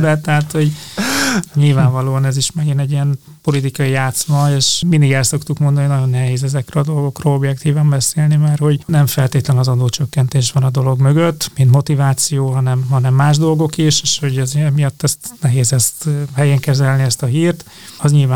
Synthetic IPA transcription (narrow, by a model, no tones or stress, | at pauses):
d̪ɛt̪ɛɦat̪ho̞ɟ | ɲilvaːɱvɒloːɒnɛziʃmɛɡinɛɟːiɛn | po̞lit̪ikɒijaːt̪smɒeːʃmind̪iɡɛlso̞kt̪ukmo̞nd̪ɒnijnɒɟo̞nːɛɦeːzɛzɛkrelɒd̪o̞lɡo̞kroːlo̞bjɛk̚t̪iːvɒmbɛseːlnimaːrho̞ɟnɛɱfɛlt̪eːt̪lɛnnɒzɒd̪oːt͡ʃøkːɛnt̪eːʃʋɒnɒd̪o̞lo̞ɡmøɡøt̪ːmint̪mo̞t̪ivaːt̪sijoːɦɒnɛmɦɒnɛmːaːʒd̪o̞lɡo̞kiʃeːʃho̞ɟɛzɛmijɒt̪ːɛst̪nɛɦeːzɛst̪hɛjɛŋkɛzɛlniɛst̪ɒɦiːrt̪ | ɒzɲilvaː